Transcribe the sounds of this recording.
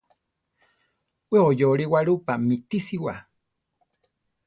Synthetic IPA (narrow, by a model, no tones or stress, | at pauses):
weojoɾiwaɾupamit̪isiwa